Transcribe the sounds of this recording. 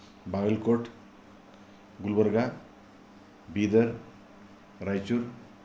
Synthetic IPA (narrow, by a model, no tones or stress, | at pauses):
baɡəlkoʈʰ | ɡulbəɾɡa | bid̪əɾ | ɾajt͡ʃuɾ